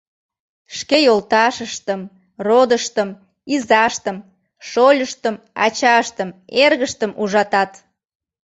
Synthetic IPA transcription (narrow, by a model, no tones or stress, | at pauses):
ʃkejolt̪ɑʃəʃt̪əm | rod̪əʃt̪əm | izɑʃt̪əm | ʃolʲəʃt̪əm | ɑ̰t͡ɕɑəʃt̪əmerɣəʃt̪əmuʒɑt̪ɑt̪